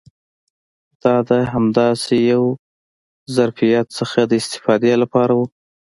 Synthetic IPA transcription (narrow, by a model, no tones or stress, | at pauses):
d̪̥ɑd̪əɦamd̪ɑsejaw | zaɾfijat̪səxad̪əɪst̪ɪ̥fɑd̪alapɑɾawu